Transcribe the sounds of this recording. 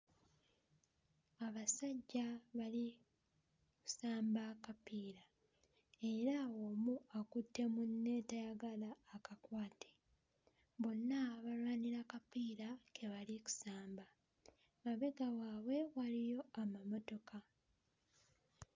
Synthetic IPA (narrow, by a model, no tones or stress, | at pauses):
aβasaɟːaβali | ku̥saːmbakapiːɾa | e̞ɾawomuakutːe̞munːe̞ːtajaɡalaːkakwaːtʰe̥ | βo̞nːaβalwaːniɾakapiːɾake̞βaliku̥saːmba | maβe̞ɡawaːwe̞walijo̞amamo̞to̞ka